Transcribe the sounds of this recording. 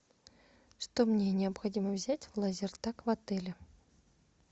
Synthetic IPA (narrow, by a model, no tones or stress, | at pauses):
ʂt̪omnʲenʲɪɐpxɐdʲiməvzʲætʲvlˠazʲɪrt̪akvɐt̪ɛlʲɪ